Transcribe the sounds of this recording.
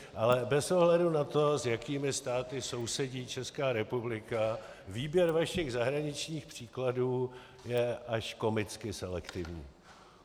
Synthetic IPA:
ʔalɛbɛsoɦlɛdunat̪o̞zjakiːmɪst̪aːt̪ɪso̞wsɛɟiːt͡ʃɛskaːɾɛpublɪka | viːbjɛɾvaʃɪɣzaɦɾaɲɪt͡ʃɲiːxpr̝̥iːkladuː | jɛʔaʃko̞mɪt͡skɪsɛlɛkt̪ɪvɲḭː

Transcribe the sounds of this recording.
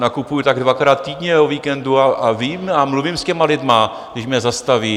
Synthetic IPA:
nakupujut̪aɡdvakɾaːt̪̚t̪iːdɲɛoviːkɛnduaaviːmamluvimscɛmalɪdma | ɡdɪʃmɲɛzast̪aviː

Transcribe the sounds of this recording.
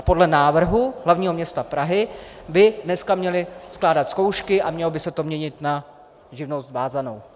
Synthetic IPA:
po̞dlɛnaːvr̩ɦuɦlavɲiːɦomɲɛst̪apɾaɦɪbɪdnɛskamɲɛlɪsklaːdat̪sko̞wʃkɪʔamɲɛlobɪsɛt̪o̞mɲɛɲɪt̪na | ʒɪvnost̪vaːzano̞w

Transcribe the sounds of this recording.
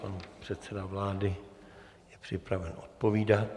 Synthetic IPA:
panpr̝̥ɛt̪t͡sɛdavlaːdɪ | jɛpr̝̥ɪpɾavɛnʔo̰t̪̚po̞viːdat̪

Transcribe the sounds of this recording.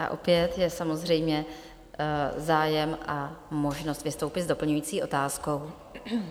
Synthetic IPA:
ʔa̰ʔo̞̰pjɛt̪jɛsamo̞zrɛjmɲɛ | zaːjɛmʔamo̞ʒno̞st̪vɪst̪o̞wpɪzdo̞pl̩ɲujiːt͡siːo̞t̪aːsko̞w

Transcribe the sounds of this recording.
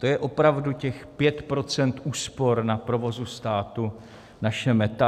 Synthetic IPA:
t̪ojɛʔo̞pɾavducɛxpjɛt̪pɾo̞t͡sɛnt̪ʔuːspo̞ɾnapɾo̞vo̞zust̪aːt̪u | naʃɛmɛt̪a

